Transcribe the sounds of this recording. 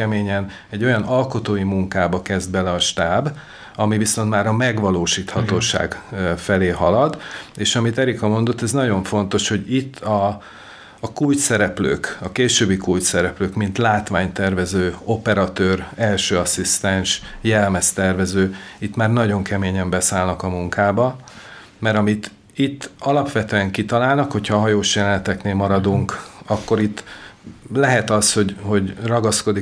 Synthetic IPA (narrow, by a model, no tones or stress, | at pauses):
ɛmeːɲɛn | ɛɟːo̞jɒnɒlko̞t̪oːjimuŋkaːbɒkɛzd̪̚bɛlɛɒʃt̪aːb | ɒmiviso̞nt̪maːɾɒmɛɡʋɒloːʃiːt̪hɒt̪oːʃa̰ːɡfɛleːɦɒlɒd̪eːʃɒmit̪ɛɾikɒmo̞nd̪o̞t̪ːɛznɒɟo̞ɱfo̞n̪t̪o̞ʃho̞ɟit̪ʰːɒː | kult̪sɛɾɛplø̰ːkɒkeːʃøːbːikult̪sɛɾɛpløːkmint̪laːt̪ʋaːɲt̪ɛrvɛzøːo̞pɛɾɒt̪øːrɛlʃøːɒsist̪ɛnʃjɛlmɛst̪ɛrvɛzøːit̪maːrnɒɟo̞ŋkɛmeːɲɛmbɛsaːlnɒkɒmuŋkaːbɒ | mɛɾɒmit̪ | it̪ːɒlɒpʋɛt̪øːɛŋkit̪ɒlaːlnɒkho̞cʰhɒːɦɒjoːʃjɛlɛnɛt̪ɛkneːlmɒɾɒd̪uŋkɒkːo̞ɾit̪ː | lɛɦɛt̪ɒsho̞ɟho̞ɟrɒɡɒsko̞d̪i